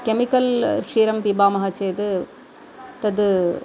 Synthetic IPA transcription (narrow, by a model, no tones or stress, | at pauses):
kɛmɪkɐlʂiːɾɐmpibaːmɐɦɐt͡ʃeːd̪ɯ | t̪ɐd̪ɯ